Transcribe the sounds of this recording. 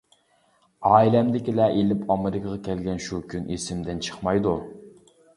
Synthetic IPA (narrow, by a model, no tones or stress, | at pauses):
ɑːilɛmd̪ɪkʲilɛʔelɪpʰɑmɪɾɪkʰəʁɑkʲʰɛlɡʲɛnʃukʲʰynʔisɪmd̪ɪnt͡ʃʰə̥χmɑjd̪u